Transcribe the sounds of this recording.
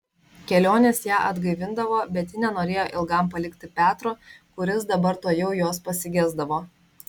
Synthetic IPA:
kʲɛlʲoːnʲeːsjæːʔɐd̪ɡɐɪʋʲɪnd̪ɐʋoːbʲɛt̪ʲjɪnʲɛnoːɾʲeːjoːʔɪlˠɡɐˑmpɐlʲɪkt̪ʲɪpʲæːt̪ɾoːkʊɾʲɪsd̪ɐbɐɾt̪oːjɛʊjoːspɐsʲɪɡʲæzd̪ɐʋoː

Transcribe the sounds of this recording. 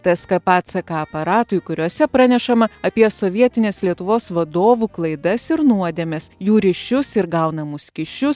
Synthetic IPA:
t̪ɐskɐpɑːt̪sɐkɐɐpɐɾɑːt̪ʊjkʊɾʲuɔsʲɛpɾɐnʲɛʃɐmɐɐpʲiɛsoːʋʲiɛt̪ʲɪnʲeːslʲiɛt̪ʊʋoːsʋɐd̪oːʋuklˠɐɪd̪ɐsɪɾnuɔd̪ʲɛmʲɛsjuːɾʲɪʃʲʊsɪɾɡɐʊnɐmʊskʲɪʃʲʊs

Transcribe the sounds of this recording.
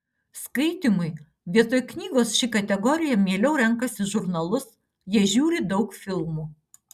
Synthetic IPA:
skɐɪt̪ʲimʊɪ | ʋʲiɛt̪oːjknʲiːɡoːsʃʲɪkɐt̪ʲɛɡɔɾʲɪjɛmʲiɛlʲɛʊɾʲɛŋˑkɐsʲɪʒʊɾnɐlˠʊs | jiɛʒʲuːɾʲɪd̪ɐʊkfʲɪlˠmuː

